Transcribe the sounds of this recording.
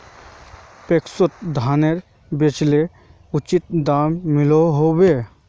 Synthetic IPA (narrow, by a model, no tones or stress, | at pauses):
peksʊt̪̚d̪ʱaːneɾ | bet͡ʃle | ʊt͡ʃɪt̪̚d̪aːmːɪloɦoːbeː